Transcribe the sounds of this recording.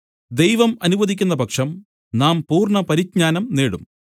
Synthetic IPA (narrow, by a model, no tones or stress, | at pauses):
d̪e̞jʋɐmɐnuʋɐðikʲːunːɐbʱɐkʂɐm | naːmpuːrɳɐpɐɾit̚ɲaːnɐmneːɽum